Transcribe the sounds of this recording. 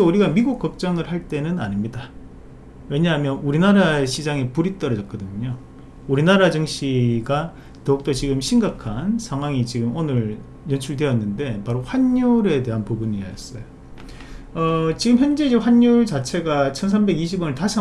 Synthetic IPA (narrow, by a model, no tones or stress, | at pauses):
euɾiɡamiɡuk͈ʌk̚t͡ɕ͈ʌŋɯɭhaɭt͈e̞nɯnanɲimɲida | we̞ɲaɦamjʌnuɾinaɾaɕʰid͡ʑaŋepuɾit͈ʌɾʌd͡ʑʌt̚k͈ʌdɯɲɲo | uɾinaɾad͡ʑɯŋɕ͈ʰiɡa | tʌuk̚t͈ot͡ɕiɡɯmɕʰimɡakʰansʰaŋɦwaŋit͡ɕiɡɯmonɯɾ | jʌnt͡ɕʰuɭdwe̞jʌnːɯnde̞paɾoɸwaɲːuɾe̞de̞ɦanpubuɲiajʌs͈ʌjo | ʌt͡ɕiɡɯmçjʌnd͡ʑe̞id͡ʑeɸwaɲːuɭt͡ɕat͡ɕʰe̞ɡat͡ɕʰʌns̬ʰambe̞ɡiɕʰibwʌneɭtaɕʰ